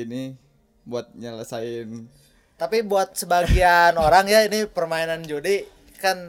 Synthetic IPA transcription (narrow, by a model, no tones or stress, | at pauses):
ini | buat̪̚ɲələsaɪn | t̪apibuat̪̚səbaɡianoɾaŋjainipərmainand͡ʒodi | kan